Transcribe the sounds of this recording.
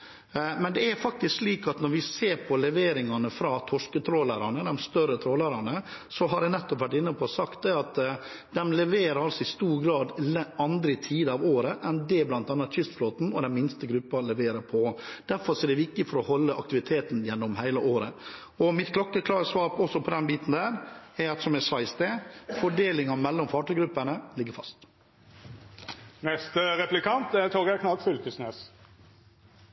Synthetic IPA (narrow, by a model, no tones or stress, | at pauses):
mɛnd̪ɛæɾfɑk̚t̪ɪskʂliːkɑt̪nɔɾʋɪseːɾpʰɔlɛʋeːɾɪŋɑnəfɾɑːt̪ʰɔʂkət̪ʰɾoːlæːɾɑnəd̪ɛmst̪œɾət̪ʰɾoːlæɾɑnəsɔɦɑɾɛnɛt̪ːɔpʋæʈːɪnːəpʰɔsɑkt̪̚d̪ɛɑt̪ | d̪ɛmlɛʋeːɾəɾɑlsɔɪst̪uːɾɡɾɑːd̪lɑnd̪ɾəɪt̪ʰiːd̪əɑʋoːɾəʔɛnd̪ɛblɑnt̪ɑnːɑt̪çʏst̪floːt̪n̩ɔd̪ɛnmɪnst̪əɡɾʉpːɑlɛʋeːɾəɾpʰɔd̪̥æɾfɔɾʂɔɛɖ̪ɛʋɪk̚t̪ɪfɔɾɔhɔlːəʔɑkt̪ɪʋɪt̪ʰeːt̪n̩jɛnːɔmhæɪləʔoːɾə | ɔmɪt̪kʰlɔkːəkʰlɑːɡəsʋɑːɾpɔsːɔpʰɔd̪ɛnbiːt̪n̩d̪æːɾɛɾɑt̪sɔmɛsʋɑɪsd̪ɛfɔɖeːlɪŋɑmɛlːɔmfɑːʈəɡɾʉpːəɳəlɪɡːəɾfɑst̪ | nɛst̪əɾɛplɪkʰɑnt̪ɛt̪ʰoːɡækʰnɑlkfʏlt̪ʉsneːs